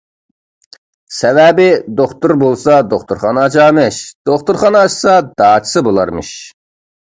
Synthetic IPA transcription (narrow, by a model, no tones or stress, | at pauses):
sɛvɛbɪd̪oχt̪uɾbolˠsɑd̪oχt̪ʰuɾχɑnɑt͡ʃʰɑːmɛʃd̪̥oχt̪ʰuɾχɑnɑt͡ʃʰsɑd̪̥ɑːt͡ʃʰi̥sɨbolˠɑɾmɨʃ